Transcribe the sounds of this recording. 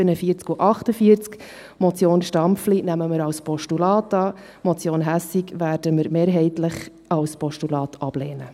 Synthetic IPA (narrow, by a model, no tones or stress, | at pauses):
ənəfiəɾt͡skuʔɑχtəfiəɾt͡sk | mɔt͡sjoːnʃtɑmpflinæməməɾɑwspɔʃtulɑːtɑː | mɔt͡sjoːnɦæsikʋæːɾdəməɾmeːɾɦɛɪtləχ | ɑlspɔʃtulɑːtʰɑb̥leːnə